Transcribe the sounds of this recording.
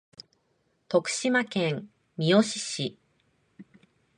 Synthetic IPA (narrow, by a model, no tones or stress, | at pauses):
t̪o̞kɯ̟̥ɕimakẽŋ | mʲioɕi̥ɕi